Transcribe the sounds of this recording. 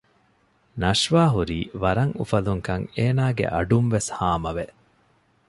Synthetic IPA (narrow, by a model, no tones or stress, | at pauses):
nɐʂʋaːɦuɾiːʋɐɾɐŋufɐluŋkɐŋeːnaːɡḛʔɐ̰ɖunʋeshaːmɐʋe